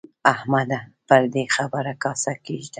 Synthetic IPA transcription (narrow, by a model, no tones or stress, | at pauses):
ahmad̪apəɾd̪exabəɾakɑsakeʒd̪a